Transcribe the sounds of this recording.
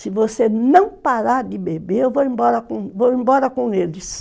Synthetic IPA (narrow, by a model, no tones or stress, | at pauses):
sɪvosenɐ̃w̃paɾaɾd̪ɪbebeɾewvoĩmbɔɾɐkõvowĩmbɔɾɐkõelɪs